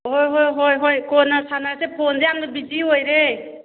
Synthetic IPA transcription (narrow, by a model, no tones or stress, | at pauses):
ɦojɦojɦojɦojkɔnasanaɾsepʰondiamd̪bid͡ʒiɦojɾe